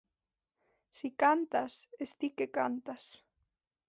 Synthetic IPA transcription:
sikant̪asest̪ikekant̪as

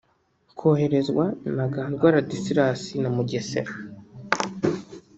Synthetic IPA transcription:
kʰoːhe̞ɾe̞zɡwanaɡantɡwaːɾadisiɾasinamuɟesḛɾa

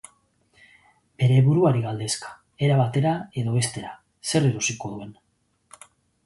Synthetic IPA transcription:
b̥e̞ɾe̞βuɾuaɾiɣald̪e̞skḁ | e̞ɾaβat̪e̞ɾae̞ðo̞βe̞st̪e̞ɾa | se̞reɾosiko̞ðue̞n

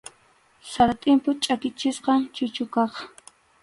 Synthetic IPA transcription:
sat̪ʼɪmpʊt͡ʃʼakɪt͡ʃɪsqɑŋt͡ʃʊt͡ʃʊkɑχ

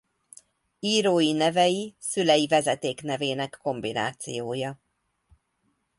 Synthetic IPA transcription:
iːɾoːjinɛvɛjisylɛjivɛzɛt̪eːkn̪ɛveːnɛkːo̞mbina̰ːt̪sijoːjɒ

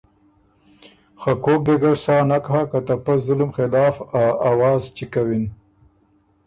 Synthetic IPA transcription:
xakok̚d̪eɡaɽsɑnakɦakat̪apazʊlmxɪlɑːfaawɑːzt͡ʃikawin

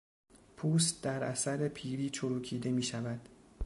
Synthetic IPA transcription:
pʰuːs̬t̪̚d̪æɾæsæɾe̞pʰiːɾiːt͡ʃʰoɾuːkʰiːd̪e̞miːʃævæd̪̥

